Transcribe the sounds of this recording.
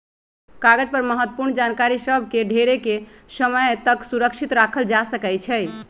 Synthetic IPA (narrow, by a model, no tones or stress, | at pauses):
kaɡəd͡ʒpəɾməɦət̪wəpuɾɳd͡ʒankaɾisəbʱkeɖʱeɾekesəməjt̪əksuɾəkʃʰit̪ɾakʰəld͡ʒasəkɛjt͡ʃʰɛj